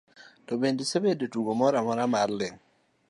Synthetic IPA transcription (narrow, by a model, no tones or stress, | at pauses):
tɔbendesebedetuɡomɔɾamɔɾamarlɪŋ